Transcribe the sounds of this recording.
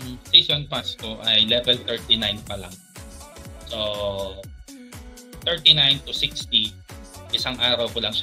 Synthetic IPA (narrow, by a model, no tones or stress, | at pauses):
ɐmsisonpast̪oʔɐjlɛvɛlt̪ɛɹt̪inajnpɐla̰ŋ | so | t̪ɛɹt̪inajnt̪ʊsɪkst̪iʔɪsaŋʔaːɾɐwpɐlɐŋʃa